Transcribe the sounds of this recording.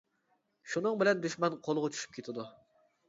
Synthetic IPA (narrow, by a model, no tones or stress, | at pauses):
ʃunɨŋbɪlɛnd̪yʃmɛnqʰolˠʁʊt͡ʃʰy̥ʃy̥p̚kʲʰet̪ʰɪd̪u